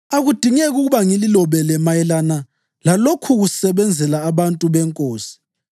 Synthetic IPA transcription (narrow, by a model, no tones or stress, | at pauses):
aɣud̥ʱiŋɛɣuɣuβaŋililɔβɛlɛmajɛlana | lalokʰuɣusɛβɛnd͡zʱɛlaːβantʼuβɛŋkʼoːsi̥